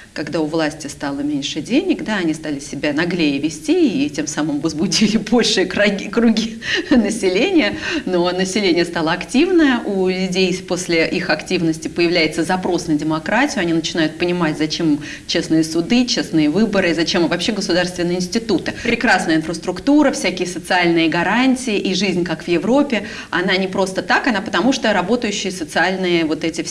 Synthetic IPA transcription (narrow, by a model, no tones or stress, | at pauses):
kɐɡd̪aʊvlˠasʲtʲɪst̪alˠəmʲenʲʂɨdʲenʲɪkd̪aɐnʲist̪alʲɪsʲɪbʲanɐɡlʲejɪvʲɪsʲtʲiitʲe̞msamɨmvəzbʊdʲilʲɪbo̞lʲʂɨjəkɡʲikɾʊɡʲinəsʲɪlʲenʲɪjəno̞nəsʲɪlʲenʲɪjəst̪alˠəɐktʲivnəjəʔulʲʊdʲejpo̞sʲlʲɪʔixɐktʲivnəsʲtʲɪpəjɪvlʲæjɪt̪səzɐpɾo̞snədʲɪmɐkɾatʲɪjʊɐnʲinət͡ɕɪn̪ajʊt̪̚pənʲɪmatʲzɐt͡ɕe̞m | t͡ɕe̞snɨjəsʊd̪ɨt͡ɕesnɨjəvɨbəɾɨːzɐt͡ɕe̞mvɐpɕːe̞ɡəsʊd̪arst̪vʲɪnːəjɪnʲsʲtʲɪt̪ut̪ɨpɾʲɪkɾasnəjəɪnfɾəst̪ɾʊkt̪uɾəfsʲækʲɪjəsət̪sɨalʲnɨjəɡɐɾanʲtʲɪjɪʔiʐɨzʲnʲkakv̥jɪvɾo̞pʲːɪ | ɐn̪anʲɪpɾo̞st̪ət̪akɐnapə̥t̪ɐmuʂt̪oɾɐbo̞t̪əjʉɕːɪjəsət̪sɨalʲnɨjəvo̞t̪ɛtʲɪf